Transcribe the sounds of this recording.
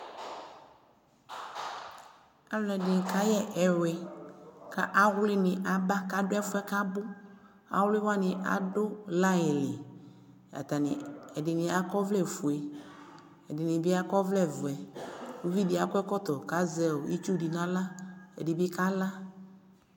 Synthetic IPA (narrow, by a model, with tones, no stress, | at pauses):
a˦lɔ̃˨ɛ˨dɪ˨n˨ka˦jɛ˦ʔɛ˨ɾwɛ˨ka˦ʔa˦ɣlɪ˦nɪ̃˨ʔa˨ba˦ka˦ɖʊ˦ɛ˦fʊ˦ɛ˦ka˦bʊ˦ | a̰˦wlɪ˦wa˦nɪ̃˨ʔa̰˨do˦la˦ɛ˨lɪ˨ | a̰˨t̪a˨nɪ̰̃˨ɛ˨dɪ˨nɪ̃˨a˦kɔ˦vlɛ˨fu˨ɛ˨ | ɛ̰˨dɪ˨nɪ̃˨bi˦a˦kɔ˦vlɛ˦vʊ˨ɛ˨wu˦vi˦di˨˦a˨kʷɛ˦kɔ˦t̪ɔ˨ka˦zɛ˦˨o˨i˦t͡ʃu˦di˨nã˦la˦ɛ̰˨di˨bi˦ka˦la˦